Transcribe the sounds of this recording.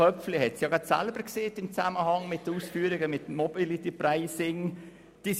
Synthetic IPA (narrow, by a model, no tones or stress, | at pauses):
œp͡flɪhɛtsjɑɡɑtsæ̰lbəɾkseːtɪmt͡saməhɑŋmɪt̚dəuːsfyːəɾɪɡəmɪtmɔbilit̪ipraɪsɪŋ | d̥iːs